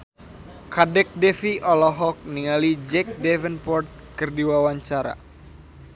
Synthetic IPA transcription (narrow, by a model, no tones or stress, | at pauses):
kadɛk̚dɛfiʔɔlɔɦɔk̚niŋalid͡ʒɛk̚dɛvənpɔrt̪̚kɨrdiwawaɲt͡ʃaɾa̰